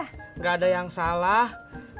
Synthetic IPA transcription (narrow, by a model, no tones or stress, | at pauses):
ŋɡaːdajaŋsalah